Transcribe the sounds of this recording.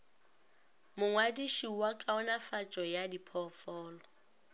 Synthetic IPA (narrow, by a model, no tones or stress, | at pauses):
mʊŋwadiʃiwakʼaɔnafat͡ʃʼɔjadipʰɔfɔːlɔ